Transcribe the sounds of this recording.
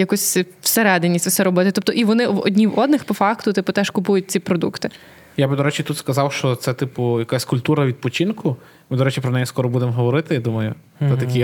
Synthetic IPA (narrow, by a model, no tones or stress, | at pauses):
jɐkusʲwseɾɛd̪enʲːisʲtʲfsɛɾɔbɔt̪ɪt̪ɔp̚t̪ɔʔiʋɔnɪɔ̰dʲnʲiwɔd̪nɪxpɔfɑkt̪ʊt̪ɪpʊt̪ɛʃkʊpujʊt̚ʲt͡sʲipɾɔd̪ṵkt̪ɪ | jabɪd̪ɔɾɛt͡ʃʲit̪ut̪skɐzɑwʃt͡ʃɔt̪sɛt̪ɪpʊjɐkasʲkʊlʲpt̪uɾɐʋʲid̪̚pɔt͡ʃʲinkʊ | mɪd̪ɔɾɛt͡ʃipɾɔnɛjiskɔɾɔbud̪emɦɔʋɔɾɪt̪ɪjid̪umɐjʊ | ɛt̪ɐkʲi